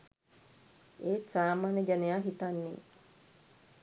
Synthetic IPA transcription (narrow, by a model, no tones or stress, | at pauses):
eːsaːmaːneɡanejaːɦit̪anːḛ